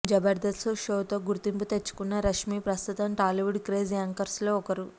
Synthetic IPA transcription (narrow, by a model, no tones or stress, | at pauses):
d͡ʒɐbɐɾd̪ɐsuʃoːt̪o̞ːɡuɾt̪imput̪et͡ʃːu̥kunːɐɾɐʂmiːpɾɐst̪ut̪ɐmʈaːliʋuɖkɾeːd͡ʒiaːŋkɐɾslo̞ːɔkɐɾu